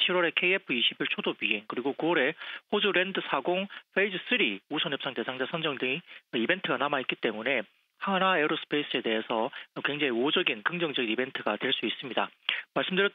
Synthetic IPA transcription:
ɕʰiɾwʌɾe̞kʰeiepʰɯiɕʰibiɭt͡ɕʰodopiɦe̞ŋkɯɾiɡokuʌɾe̞ɸod͡ʑuɾe̞ndɯsʰaɡoŋɸʰeid͡ʑɯs͈ɯɾiusʰʌnɦɯp̚s͈aŋte̞sʰaŋd͡ʑasʰʌnd͡ʑʌŋdɯŋiibe̞ntʰɯɡanamaɦit̚k͈it͈e̞mune̞ | haŋnaeɾosʰɯ̥pʰeis͈ɯe̞de̞ɦe̞sʰʌkwe̞ŋd͡ʑeŋiod͡ʑʌɡinkɯŋd͡ʑʌŋd͡ʑʌɡinibe̞ntʰɯɡatwe̞ɭs͈uis͈ɯmɲidamaɭs͈ɯmdɯɾjʌ

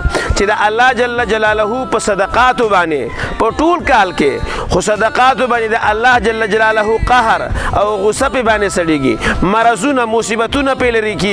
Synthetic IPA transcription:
t͡ʃed̪əʔalːɑːhd͡ʒalːad͡ʒalaːlaɦupəsɐd̪aqɑːt̪obɑnepəʈolkɑːlkexosad̪aqɑːt̪obɑːned̪əʔalːɑhd͡ʒalːad͡ʒalaːlaɦuqaɦɾa̰wɣʊsapebɑːnesɐɽeːɡḭmaɾazunamusibat̪unapelaɾiki

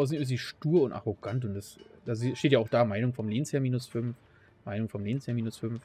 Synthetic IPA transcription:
aʊs̬sziːʃtuːɐʊntʔa̰ʁoɡ̥antʊntd̥asd̥azoziʃteːtjaːaʊxd̥aːmaɪnʊŋfɔmleːnsheːɐmiːnʊsfʏnf | maɪnʊŋfɔmleːnsheːɐmiːnʊsfʏnf

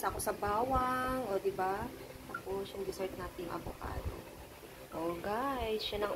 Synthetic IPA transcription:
sɐko̞sɐbaːwɐŋʔod̪ɪbat̪ɐposʊŋd̪ɪsoɹt̪̚naːt̪ɪjʊŋʔɐbʊka̰ːd̪o̰ | ʔoɡajsʃanɐŋ

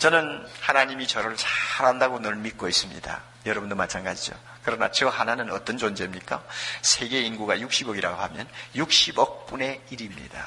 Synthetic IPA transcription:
t͡ɕʌnɯnhanaɲimit͡ɕʌɾɯɭsʰaɾandaɡonʌɭmik͈ois͈ɯmɲḭda̰ | jʌɾʌbundomat͡ɕʰanɡad͡ʑid͡ʑo̰ | kɯɾʌna̰t͡ɕʌhananɯnʌt͈ʌnd͡ʑond͡ʑe̞mɲik͈a̰sʰe̞ɡe̞inɡuɡajuk̚ɕ͈ibʌɡiɾaɡoɦamjʌnjuk̚ɕ͈ibʌk̚p͈une̞iɾimɲḭd̥a

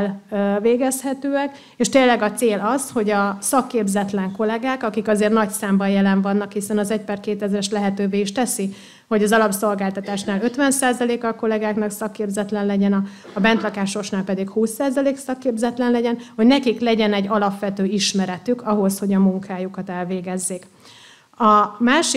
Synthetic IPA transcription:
lveːɡɛshɛt̪øːɛk | eːʃt̪eːlːɛɡɒt̪seːlɒzho̞ɟɒsɒkːeːbzɛt̪lɛŋko̞lɛɡaːkɒkikɒzeːrnɒcsaːmbɒjɛlɛɱvɒnːɒkhisɛnɒzɛc̚paːrkeːt̪ɛzɾɛʃlɛɦɛt̪øːveːiʃt̪ɛsi | ho̞ɟɒzɒlɒpso̞lɡaːlt̪ɒt̪aːʃnaːlø̞t̪ʋɛnsaːzɒleːkɒko̞lɛɡaːknɒksɒkːeːbzɛt̪lɛnlɛɟɛnɒː | bɛnt̪lɒkaːʃo̞ʃnaːlpɛd̪ikhuːsːaːzɒleːksɒkːeːbzɛt̪lɛnlɛɟɛnho̞ɟnɛkiklɛɟɛnɛɟɒlɒpʋɛt̪øːiʃmɛɾɛt̪ykɒɦo̞sho̞ɟɒmuŋkʰaːjukɒt̪ɛlveːɡɛzːeːk | ɒmaːʃi

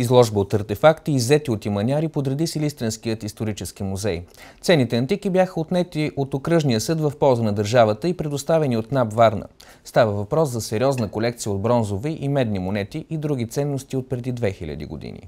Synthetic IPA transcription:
izlˠɔʒbəot̪ɐɾt̪ɛfakt̪iːzːɛt̪iot̪imɐnʲaɾipod̪ɾɛd̪isilist̪ɾɛnskijət̪ist̪oɾit͡ʃɛskimuzɛjt̪sɛnːit̪ɛɐnt̪ikibjaxəot̪nɛt̪iʔot̪okɾɤʒnijəsɤd̪vəfpɔlˠzənɐd̪əɾʒavət̪əipɾɛd̪ost̪avɛniot̪nabvaɾnə̰ | st̪avəvɐpɾɔszɐsɛɾʲiɔznəkolɛk̚t̪sijəod̪̚bɾɔnzoviʔimɛd̪nimonɛt̪iʔid̪ɾuɡ̟it̪sɛnːost̪iot̪̚pɾɛd̪id̪vɛxilʲə̰d̪ḭɡo̰d̪ḭnḭ

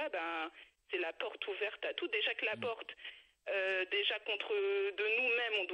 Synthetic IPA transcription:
abɛ̃sɛlapɔʁt̪ʰuvɛʁt̪at̪ud̪eʒakəlapɔʁt̪ | ød̪eʒakɔ̃t̪χəd̪ənumɛmɔ̃d̪w

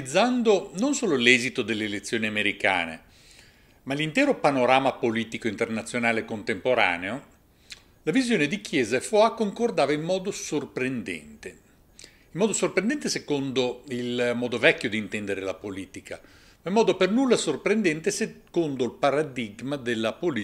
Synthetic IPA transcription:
id̪zːand̪ononsoːlolɛzit̪od̪elːelet̪sːjoːniameɾika̰ːnḛ | malint̪ɛːɾopanoɾaːmapoliːt̪ikoint̪ernat̪sːjonaːlekont̪empoɾa̰ːneo | lavizjoːned̪ikjɛːzaefoakːoŋkord̪aːvaimːɔːd̪osorpɾend̪ɛ̰nt̪e | imːɔːd̪osorpɾend̪ɛnt̪esekond̪oilmɔːd̪ovɛkːjod̪int̪ɛnd̪eɾelapoliːt̪ika | maimːɔːd̪opernulːasorpɾend̪ɛnt̪esekond̪olpaɾad̪iɡmad̪elːapoli

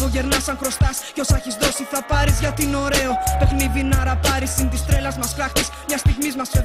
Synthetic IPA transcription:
oʝe̞ɾnɐsɐŋxɾo̞st̪ɐsceo̞sɐçizðo̞siθɐpɐɾizʝɐt̪ino̞ɾe̞ope̞xniðinɐɾɐpɐɾisint̪ist̪ɾe̞lɐzmɐskɾɐxt̪ismɲɐst̪iɣmizmɐse

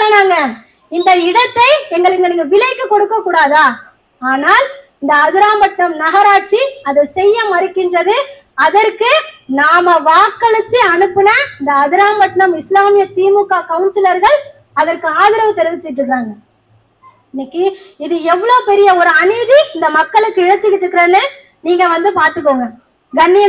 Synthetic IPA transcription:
naːŋɡɐ | ɪnd̪ɐɪɽɐt̪ːɐɪɛŋɡɐɭɛŋɡɐɭɪŋɡɐʋɪlɐɪkːɯkɔɽɯkːɐkːuːɽaːðaː | aːnaːlɪnd̪ɐːðɪɾaːmbɐʈɳɐmnɐɣɐɾaːʈ̚t͡ʃiɐðɐsɛjːɐmɐɾɪkːɪndrɐðɯ | ɐðɐɾkɯnaːmɐʋaːkːɐɭɯt͡ʃːiɐnɯpːɪnɐɪnd̪ɐːðɪɾaːmbɐʈɳɐmɪslaːmɪjɐt̪iːmɯkːaːkɐʋʊnsɪlɐɾɣɐɭ | ɐðɐɾkɯaːðɪɾɐʋɯt̪ːɛɾɯʋɪt͡ʃːɯkɪʈːɾɯkːɾaːŋɡɐ | ɪnːɪkːiɪðɯɛʋːɐɭoːpɛɾɪjɐɔɾɯɐnɪðiɪnd̪ɐmɐkːɐɭɯkːɯɪɻɐt͡ʃːɯkːɪʈːɾɯkːɪɾeːlɯ | niːŋɡɐʋɐnd̪ɯpaːɾt̪ɯk̬ːoːŋɡɐ | ɡɐnːɪjɐ

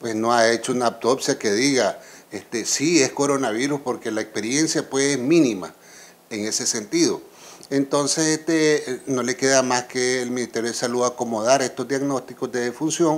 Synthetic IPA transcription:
pwesnoaet͡ʃounaːp̚t̪o̞psjakeðiɣaest̪esiesko̞ɾo̞naβiɾuspo̞ɾkelaekspe̞ɾje̞nsjapwesesmĩnima̰ | eŋe̞se̞se̞nt̪iðo | ent̪o̞nsesest̪eno̞le̞ke̞ðamaskeːlmĩnist̪ejoðesaluðako̞mo̞ðaɾest̪ozd̪jaɡno̞st̪ikozd̪eðefunsjo̞ŋ

